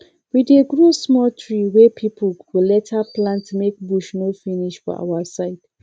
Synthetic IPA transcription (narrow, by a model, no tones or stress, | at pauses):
wideɡɹosmɔltʰɹiwɛpʰipʰəlulɛtʰaplãntmek̚buʃnofiniʃfɔ̰ʔa̰wasaɪd̥